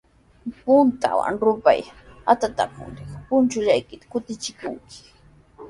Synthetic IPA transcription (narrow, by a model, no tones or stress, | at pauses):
pʊnt̪a̰wa̰ŋɾʊpa̰jat̪at̪a̰pʊ̰nɾekpʊnt͡ʃʊʎajkɪt̪ḁkʊt̪ɪt͡ʃɪkʊ̰ŋkɪ̥